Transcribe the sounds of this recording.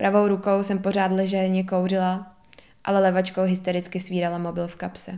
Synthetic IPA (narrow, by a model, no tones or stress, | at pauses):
pɾʔavo̞wɾuko̞wsɛmpo̞r̝aːd̪lɛʒɛɾɲɛkowr̝ɪla | ʔa̰lɛlɛvat͡ʃkowɦɪst̪oɾɪt͡skɪsviːɾalamo̞bɪlfkapsɛ